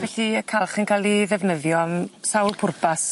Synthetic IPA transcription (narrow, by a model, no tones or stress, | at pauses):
vɛɬiəkʰalˠχənkʰalˠiðɛvnəðjɔmsawlˠpʰʊrbas